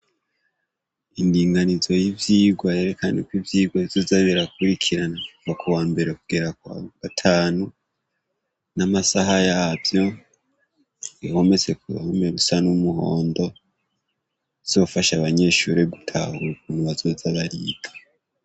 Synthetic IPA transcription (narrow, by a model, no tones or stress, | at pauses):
indiːŋɡanizo̞jivjiːɡwaje̞ɾe̞kanekwivjiːɡwaizozaβiɾakuɾikʰiɾanakuvakuwaːmbe̞ɾe̞kuɡ̥e̞ɾaka̰ɡatʰaːnu | namasaɦajaːvjo̞ | iho̞me̞t͡se̞kṵhomeɾusanumuɦo̞ːndo̞ | iz̥o̞faʃaβaɲe̞ːʃuɾeɡutʰa̰huuβuːnuβazozaβaɾḭːɡ̥ḁ